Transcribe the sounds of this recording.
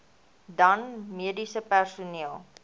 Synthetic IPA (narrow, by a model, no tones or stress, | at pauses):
dɐnmiədisəpærsuniəlˠ